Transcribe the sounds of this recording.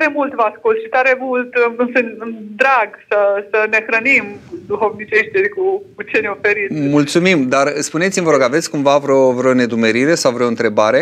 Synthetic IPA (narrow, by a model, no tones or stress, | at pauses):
ɾemult̪vaskult̪ʃi̥t̪aɾe̞mult̪sɨnd̪ɾaɡsəsəne̞xɾənimd̪uhovnit͡ʃeʃt̪ikukut͡ʃeneofeɾimult̪sumimd̪arɨspunet̪imvəɾo̞ɡave̞t̪sʲkumvavɾeovɾeo̞ne̞d̪ume̞ɾiɾe̞sawvɾeo̞ɨnt̪ɾe̞baɾe̞